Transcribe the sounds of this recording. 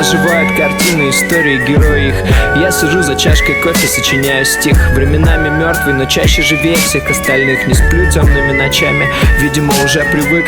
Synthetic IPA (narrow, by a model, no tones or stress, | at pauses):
ʐɨvajʊt̪kɐrtʲinʊɪst̪o̞ɾʲɪːɪɡʲɪɾo̞jixjasʲɪʐuzɐt͡ɕaʂkəjko̞fʲɪsət͡ɕɪnʲæjʊsʲtʲixvɾʲɪmʲɪnamʲɪmʲo̞rt̪vɨjnot͡ɕæɕːəʐɨvʲejəfsʲe̞xɐst̪ɐlʲnɨxnʲɪsplʲutʲəmnomʲɪnɐt͡ɕamʲɪvʲidʲɪməʊʐɛpɾʲɪvɨk